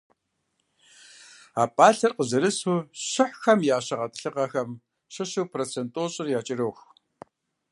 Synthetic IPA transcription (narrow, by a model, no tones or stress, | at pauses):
aːpʼaːɬɐrqəzɨɾɨsuɕɪħxɐmjaːɕɐʁɐtʼɨ̥ɬɨqɐxɐm | ɕɨɕuwpʰroːt͡sʰentʼoːɕʼɪrjaːt͡ʃʼɪɾoːx